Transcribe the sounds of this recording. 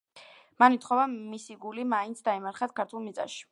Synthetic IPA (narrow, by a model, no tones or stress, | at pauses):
manit̪χɔvamisiɡulimaint̪sʰd̪aimaɾχat̪kʰaɾt̪ʰulˠmit̪sʼa̰ʃi̥